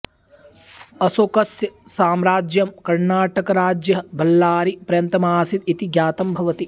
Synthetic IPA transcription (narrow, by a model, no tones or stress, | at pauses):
ɐsokɐsjɐsaːmɾaːd͡ʒjɐmkɐɾnaːʈɐkɐɾaːd͡ʒjɐɦɐbʱɐlːaːɾipɾɐjɐnt̪ɐmaːsit̪it̪iɡjaːt̪ɐmbʱɐʋɐt̪i